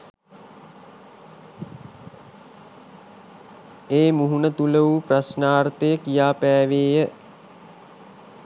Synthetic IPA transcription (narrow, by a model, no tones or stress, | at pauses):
eːmuɦunət̪uləʋuprasnaːrt̪əjəkijaːpæːʋeːjə